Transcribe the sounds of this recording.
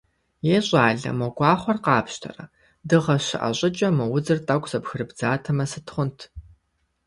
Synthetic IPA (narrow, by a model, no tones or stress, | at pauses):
jeːɕʼaːɮɐ̰mɔɡʷɑːχʷɔrqɑːpɕtʰɐ̰rɐ | dɨʁɐɕɪ̰ʔɐ̰ɕʼɪt͡ʃʼɐmɐwʊd͡zɨrtʼɐɡʷʼzɐpxɨrɨbd͡zaːtʰɐmɐsɨtʰχʷʊntʰ